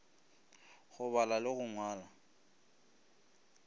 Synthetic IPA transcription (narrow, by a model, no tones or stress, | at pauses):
ɣʊβalalɪɣʊŋwaːla